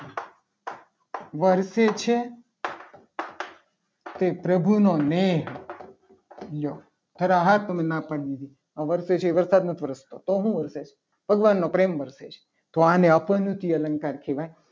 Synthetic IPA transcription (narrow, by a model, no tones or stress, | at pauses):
ʋəɾset͡ʃʰe | t̪epɾəbʱunoneɦ | lo | t̪ʰəɾaɦat̪əmẽnãpəɽd̪id̪ʱi | ãʋəɾset͡ʃʰeʋəɾsad̪nət̪ʰʋəɾəst̪ot̪oɦũʋəɾset͡ʃʰe̥ | bʱəɡʋanːopɾemʋəɾset͡ʃʰe̥ | t̪oanẽəpənut̪iələ̃ŋkaɾkʰeʋaj